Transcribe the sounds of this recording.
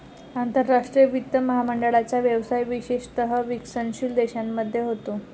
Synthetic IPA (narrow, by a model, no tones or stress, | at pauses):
ant̪əɾːaʂʈɾijəʋit̪ːəməɦaməɳɖəɭat͡ɕjaʋjəʋsajʋiɕeɕt̪əɦəʋiksənɕiːld̪eɕamːəd̪ʱːjeɦot̪o